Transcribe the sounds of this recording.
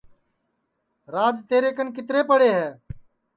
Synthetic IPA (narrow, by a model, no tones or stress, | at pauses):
ɾaːd͡ʒt̪eːɾeːkənkɪt̪ɾeːpəɽeːɦɛː